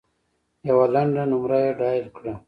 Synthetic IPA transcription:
jawalaɳɖanumɾajeɖɑːjɾkɽa

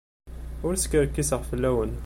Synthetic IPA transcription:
ʊɾskəɾkːisəʁfəlːæwən

